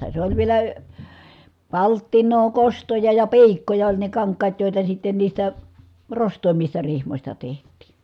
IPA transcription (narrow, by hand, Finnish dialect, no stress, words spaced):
se olʲ ʋielæ pɑltːinˑoː kostojɑ jɑ pi̯ikːojɑ olʲ ne kɑŋkˑɑːt joˑitɑ sitːen niːstæ rostˑoˑimːistɑ rihmosʲtɑ tehtˑiːn̞